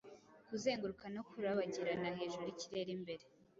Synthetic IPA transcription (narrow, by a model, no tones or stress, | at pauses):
kuze̞ːŋɡuɾukano̞kuɾaβaɟiɾanaɦe̞ːʒuuɾiciɾe̞ɾimbe̞ɾe